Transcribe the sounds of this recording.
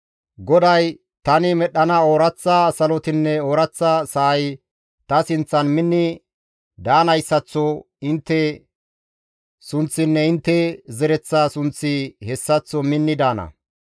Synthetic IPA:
ɡɔd̪ɐj | t̪ɐnɪmɛɗːɐnɐoːɾɐt͡sːɐsɐlɔt̪ɪnːɛoːɾɐt͡sːɐsɐɐj | t̪ɐsɪnt͡sːɐnmɪnːɪ | d̪aːnɐjsːɐt͡sːɔ | ɪnt̪ːɛ | sʊnt͡sːɪnːɛɪnt̪ːɛzɛɾɛt͡sːasʊnt͡sːɪhɛsːɐt͡sːɔmɪnːɪd̪aːnɐ̰

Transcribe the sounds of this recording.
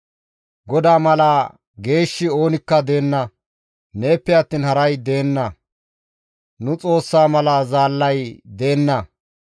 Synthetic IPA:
ɡɔd̪aːmɐlaː | ɡe̞ːʃːɪo̞ːnɪkːɐd̪e̞ːnːɐ | ne̞ːpːɛjɐt̪ːiːnhɐɾɐjd̪eːnːɐ | nʊt͡sʼo̞ːsːaːmɐlaːzaːlːɐjd̪e̞ːnːɐ

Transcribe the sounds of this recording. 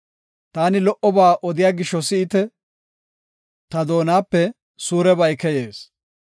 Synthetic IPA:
t̪aːnɪlɔʔɔbaːʔɔd̪ɪjaːɡɪʃːɔsɪːt̪ɛ | t̪ɐd̪o̞ːnaːpːɛ | suːɾɛbɐjkɛjeːs

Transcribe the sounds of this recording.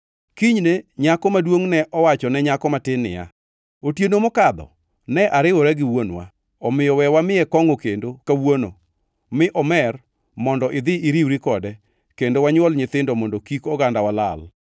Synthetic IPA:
kiɲneɲakɔmadwoŋnɛʔɔwat͡ʃɔnɛɲakɔmatɪnːɪ̰ja̰ | otjenomokad̪ɔ̰ | nɛʔaɾɪwɔɾɛɡɪwonwa̰ | ɔmɪjɔwɛwamɪɛkɔŋokendokawono̰ | mɪʔɔmɛr | mɔndɔʔɪd̪ɪiɾiwɾikɔdɛ | kendowaɲwɔlɲɪt̪ɪndɔmɔndokikɔɡandawalal

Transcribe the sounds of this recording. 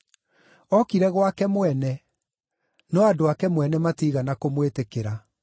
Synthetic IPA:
ɔkiɾɛɣwakɛmwɛnɛ | nɔadoakɛmwɛnɛmatiɣanakomwetekeɾa

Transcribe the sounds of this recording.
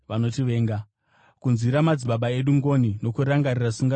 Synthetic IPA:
ʋano̞tiʋe̞ːŋɡa | kunziɾamad͡ziɓaɓae̞ɗuŋɡo̞nino̞kuɾaŋɡarirasuŋɡa

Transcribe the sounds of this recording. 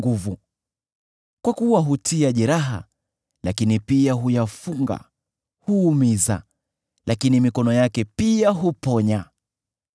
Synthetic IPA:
ɡuvu | kwakuwaɦutʰiaʄɛɾaɦa̰ | lakinipiaɦujafuŋɡa̰ | huːmiza̰ | lakinimikɔnɔjakɛpiaɦupɔɲa

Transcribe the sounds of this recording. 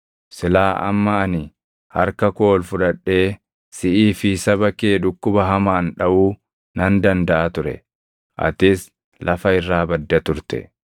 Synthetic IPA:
sɪlaːʔɐ̰mːɐɐnɪ | hɐ̰ɾkɐko̞ːlfʊᶑɐᶑe̞ː | sɪʔiːfisɐbɐkeːᶑʊkːʊbɐɦɐmaːnᶑɐʔuː | nɐnd̪ɐnd̪ɐʔaːt̪ʊɾɛ̰ | ʔɐ̰t̪ɪs | lʔɐfɐɪrːaːbɐd̪ːɐt̪ʊɾt̪ɛ̰

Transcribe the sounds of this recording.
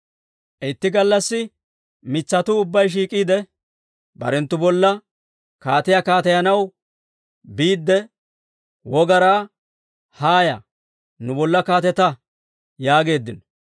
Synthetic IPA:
ʔɪt̪ːɪɡɐlːɐsːɪ | mɪt͡sːɐt̪ʊʊbːɐjʃ̬iːkʼiːd̪ɛ | bɐ̰ɾɛnt̪ːʊbɔlːɐ | kaːt̪ɪjakaːt̪ɐjɐnɐw | biːd̪ːɛ | wɔɡɐɾaː | haːjɐ̰ | nʊbɔlːɐkaːt̪ɛt̪ɐ | jaːɡe̞ːd̪ːɪnɔ

